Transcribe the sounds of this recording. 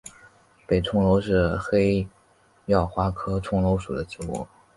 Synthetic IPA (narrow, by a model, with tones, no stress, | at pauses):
pe˨˩ɪʈ͡ʂʰʊ˥ŋlo˧˥ʊʂɻ̩˥˩xe˥ɪ | jɑ˥˩ʊxwa˥kʰɤ˥ʈ͡ʂʰʊ˥ŋlo˧˥ʊʂu˨˩d̪ə˦t͡ɕi˧˥ṵ˥˩˦